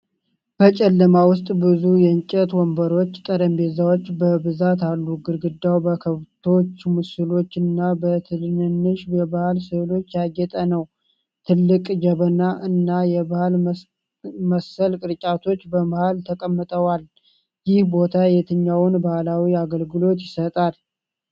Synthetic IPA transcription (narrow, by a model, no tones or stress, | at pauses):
b̥ət͡ʃʼɛlːəmawʊst̪ʼbɨzujɛɨɲt͡ʃʼət̪wɔmbəɾo̞t͡ʃːt̪ʼəɾəmbezawot͡ʃːbəbɨzat̪alːuɡɨɾɡɨd̪ːawbəkʰəβt̪ʰo̞t͡ʃːmɨsɨlo̞t͡ʃːɨnːabət̪ʰɨnnɨnːɨʃbɛbahalsɨlo̞t͡ʃːjaɡːɛt̪ʼənəw | t̪ʰɨlːɨkʼd͡ʒɛβənaʔɨnːajɛbahal | məsːəlkʼɨɾt͡ʃʼat̪ʰo̞t͡ʃːbəmahalt̪ʰəkʼəmːɨt̪ʼəwal | jɪhbo̞t̪ʰajɛt̪ʰɨɲːawʊnbahalawiaɡəlɡɨlo̞t̪jɪsət̪ʼal